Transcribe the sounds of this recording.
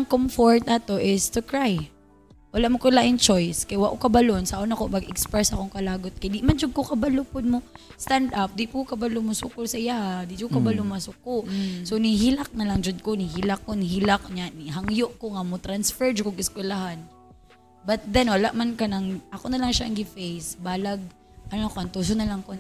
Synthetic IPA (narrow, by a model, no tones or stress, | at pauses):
ɐŋkomfoɹt̪̚ɐt̪oʔɪst̪ukɹaj | wɐlaʔmokʊlaʔɪŋt͡ʃojskɐjwaʔokɐbɐlonsaʔonɐkomɐɡɛkspɹɛsʔɐkoŋkɐlaːɡot̪̚kɐjd̪imɐnd͡ʒʊɡ̚kokɐbɐlʊpʊd̪̚mo | st̪and̪ap̚d̪ipʊkɐbɐlʊmʊsʊkʊlsɐʔɪjahad̪id͡ʒʊkɐbalʊmɐsʊk̚oʔsoniɦilak̚nɐlɐŋd͡ʒod̪̚konɪhilak̚ːonɦilak̚ɲaniɦaŋjoʔkoŋamot̪ɾansfɛɹd͡ʒkoɡɪskwɛlaɦan | bɐt̪̚d̪ɛnwɐlaʔmankɐnɐŋʔɐkonɐlaŋʃaʔɐŋɡɪfejsbaːlɐɡ̚ | ʔɐnokoɐnt̪us̬onɐlɐŋko